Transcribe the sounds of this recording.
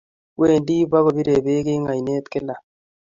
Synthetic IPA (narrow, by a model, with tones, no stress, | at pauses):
we˦˨ndi˦ba˦ko˨bi˦ɾe˨be˦kɪ˦ŋa˨i˨ne˦t̪kɪ˦la˨